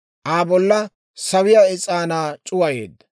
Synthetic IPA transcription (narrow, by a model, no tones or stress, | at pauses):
ʔaːbɔlːɐ | sɐwɪjaːɪt͡sʼaːnaːt͡ʃʼʊwɐjḛːd̪ːɐ